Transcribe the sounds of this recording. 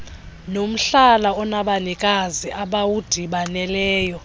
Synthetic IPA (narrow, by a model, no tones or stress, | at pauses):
nom̩ɬalaɔnaɓanikʼaziʔaɓawud̥ʱiɓanɛlɛːjɔ